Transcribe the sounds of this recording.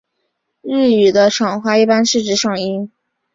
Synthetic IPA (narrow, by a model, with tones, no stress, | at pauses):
ɻ̩˥˩y˨˩d̪ə˦ʂɑ˨˩ŋxwa˥˧i˥˩pa˥nʂɻ̩˥˩ʈ͡ʂɻ̩˧˥ʂɑ˨˩ŋi˥n